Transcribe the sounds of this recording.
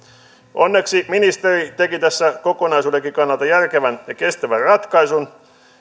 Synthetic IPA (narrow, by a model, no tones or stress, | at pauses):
ʔonːeksiminist̪erit̪ekit̪æsːækokonɑjsuːdeŋkːˑikɑnːɑlt̪ɑjærkeʋænjɑke̞st̪æʋærrɑt̪kɑisun